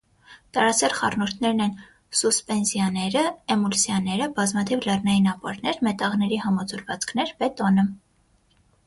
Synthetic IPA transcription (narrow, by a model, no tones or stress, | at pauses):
t̪ɑɾɑt͡sʰɛɾχɑrnɔɾt̪ʰnɛɾnɛn | suspɛnzjɑnɛɾəɛmulsjɑnɛɾəbɑzmɑt̪ʰivlɛrnɑjinɑpɑ̰ɾnɛɾmɛt̪ɑʁnɛɾihɑmɑd͡zɔɾvɑt͡skʰnɛɾbɛt̪ɔnə